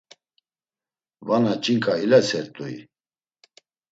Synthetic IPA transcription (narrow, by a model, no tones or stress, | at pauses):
vanat͡ʃʼiŋkʼailasɛɾt̪ʼuḭ